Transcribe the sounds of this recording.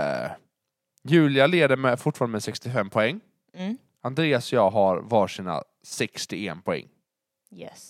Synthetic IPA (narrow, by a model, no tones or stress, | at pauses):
jʉ̟ːlɪaleːd̪əmɛfʊʈfɑːɾanəɛsɛkst̪ɪfɛmːpʰɔɛŋː | and̪ɾeːasɔjɑːɦaɾvɑːʂiːna̰ | sɛkst̪ɪɛnpʰɔɛ̰ŋː | jɛ